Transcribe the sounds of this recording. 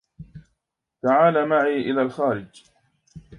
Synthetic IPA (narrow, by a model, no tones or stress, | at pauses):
t̪aʕaːlamaʕiːʔɪlaːlxaːɾɪd͡ʒ